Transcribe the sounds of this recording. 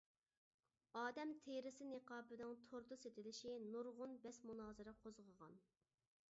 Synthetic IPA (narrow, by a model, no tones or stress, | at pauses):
ɑːd̪ɛmt̪ʰeɾɪsɪneqɑːbɨnɪŋt̪ʰoɾd̪ʊset̪ʰɪlɪʃinuɾʁʊnbɛsmunɑːzɨɾɨqʰozʁəʁɑn